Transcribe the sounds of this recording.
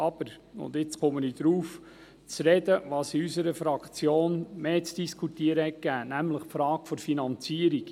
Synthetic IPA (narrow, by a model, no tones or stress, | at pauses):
ɑb̥əɾ | ʊ̰nd̪ɪt͡sχʊmənid̪̥ɾuːf | t͡sɾɛd̪əʋɑːsiysəɾəfɾɑkt͡sjoːnmeːt͡sd̥iskʰut̪iəɾəhɛt̚kæːnæmləχpfɾɑːkfɔɾfinɑnt͡siəɾik